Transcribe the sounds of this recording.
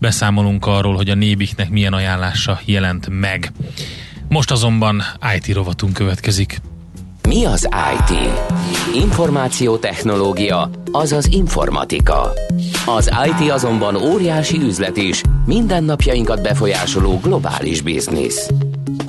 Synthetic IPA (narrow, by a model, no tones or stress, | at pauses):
bɛsaːmo̞luŋkɒrːoːlɦo̞ɟɒneːbiknɛkmijɛnɒjaːnlaːʃɒjɛlɛnt̪mɛɡ | mo̞ʃt̪ɒzo̞mbɒnaːjt̪iɾo̞vɒt̪uŋkøvɛt̪kɛzik | miɒza̰ːjt̪ḭːiɱfo̞rmaːt̪sijoːt̪ɛxno̞loːɡijɒɒzɒziɱfo̞̰rmɒ̰t̪ḭkɒ̰ɒzaːjt̪iɒzo̞mbɒnoːɾijaːʃiyzlɛt̪iʃmind̪ɛnːɒpjɒjiŋkɒd̪̚bɛfo̞jaːʃoloːɡlo̞ba̰ːlḭʒbḭznḭs